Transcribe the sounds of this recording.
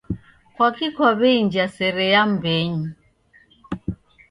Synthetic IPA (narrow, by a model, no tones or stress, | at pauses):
kwakikʰwaβɛind͡ʒasɛɾɛjam̩beɲi